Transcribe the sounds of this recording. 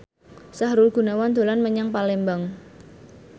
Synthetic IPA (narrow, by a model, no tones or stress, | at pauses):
saɦɾʊlɡ̥ṳnawand̪̥o̤lanməɲaŋpalembaŋ